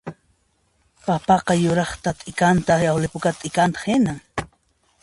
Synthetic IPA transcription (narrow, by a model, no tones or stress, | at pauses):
papɑqɑjʊɾɑχt̪at̪ʼɪkant̪aawlɪpʊkat̪ʼɪkant̪ɑ̥χɪnaŋ